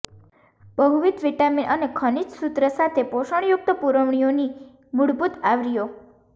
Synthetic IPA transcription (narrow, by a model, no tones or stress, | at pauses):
bəɦuʋit̪ʋiʈaminʔənekʰənit͡ʃsut̪ɾəsat̪ʰepoʃəɳ̃juk̚t̪əpuɾəʋɳ̃ijoni | muɽbut̪aʋɾijo